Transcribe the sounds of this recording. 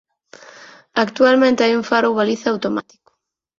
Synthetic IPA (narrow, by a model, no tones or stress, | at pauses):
akt̪ualmẽnt̪eajuɱfaɾoβaliθaawt̪oma̰t̪i̥kʊ̥